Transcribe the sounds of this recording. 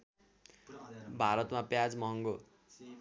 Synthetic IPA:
bʱaɾʌt̪mapjad͡zmʌɦʌŋɡo

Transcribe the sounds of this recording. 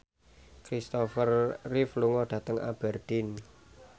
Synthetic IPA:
kɾist̪ɔfərːifluŋɔɖ̪̥ä̤t̪əŋa̰b̥ɛrd̪̥in

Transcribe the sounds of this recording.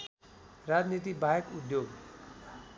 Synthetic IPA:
rad͡znit̪̬ibajʌkud̪joɡ

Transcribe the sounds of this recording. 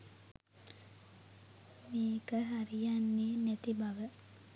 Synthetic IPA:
meːkəɦaɾijanːeːnæt̪ibaʋə

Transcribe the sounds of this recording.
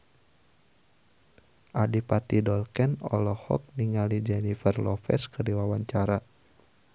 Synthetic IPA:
ʔadipat̪idɔlkɛnɔ̰lɔhɔ̰k̚niŋalid͡ʒɛnifərlɔfɛ̰skədiwawaɲt͡ʃaɾa

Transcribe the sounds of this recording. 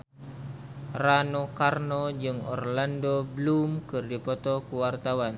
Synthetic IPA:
ranokarnɔd͡ʒɨŋɔ̰rlandoblumkɨrdipɔt̪ɔkuwart̪awan

